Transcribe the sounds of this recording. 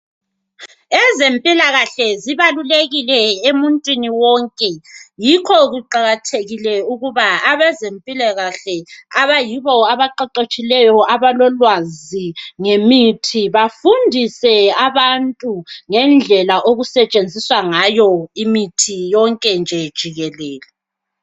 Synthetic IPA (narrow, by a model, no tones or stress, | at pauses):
ɛzempʼilaɣaɬɛziβaluleɣilɛemuntʼwiniwɔŋkʼɛjikʰɔɣuǃaɣatʰeɣilɛuɣuβaaβɛzempʼilaɣaɬɛaβajiβɔaβaǃaǃet͡ʃʼilɛjɔaβalɔlwaziŋemitʰiβafundʱisɛaβantʼuŋɛnd͡ɮʱɛlaʔoɣusɛt͡ʃʼend͡zʱiswaŋajɔimitʰijɔŋkʼɛnd͡ʒʱɛd̥ʒ̥ʱiɣɛlɛːlɛ